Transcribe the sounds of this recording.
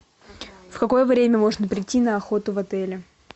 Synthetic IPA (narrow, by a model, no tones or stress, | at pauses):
fkɐko̞jəvɾʲemʲəmo̞ʐnəpɾʲɪtʲːinəɐxo̞t̪ʊvɐt̪ɛlʲɪ